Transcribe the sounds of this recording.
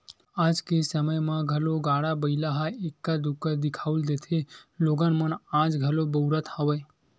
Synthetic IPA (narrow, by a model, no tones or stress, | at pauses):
ad͡ʒkesəməjmãɡʱəloɡaɽabəɪlaɦaekːad̪ukːəd̪ɪkʰauld̪et̪ʰeloɡənmənãd͡ʒɡʱəlobəuɾət̪həʋəj